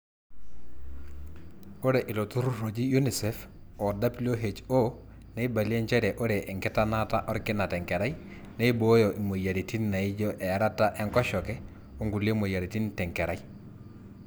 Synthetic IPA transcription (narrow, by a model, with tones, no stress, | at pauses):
o˦ɾe˨ʔɪ˨lo˨tu˦ɾu˦ro˨d͡ʒi˦ju˦ni˨sɛ˨f | ɔ˨da˦blo˦ɦe˨t͡ʃo˦ | ne˦i˦ba˨li˦ɛ˦ɲt͡ʃɛ˦ɾɛ˨ʔo˦ɾe˨ʔɛ˨ŋkɪ˦ta˦na˦ta˦ʔɔ˦ɾkɪ˦na˨tɛ˨ŋkɛ˨ɾa˦i˦ | nɛ˦i˦bo˦jɔ˨ʔi˨mo˨ja˨ɾi˨ti˦nna˨i˦d͡ʒɔ˦ʔɛ˨a˦ɾa˦ta˦ʔɛ˦ŋkɔ˦ʃɔ˨kɛ˦ | o˦ŋɡu˨le˦mo˨ja˨ɾi˨ti˦ntɛ˨ŋkɛ˨ɾa˦i˦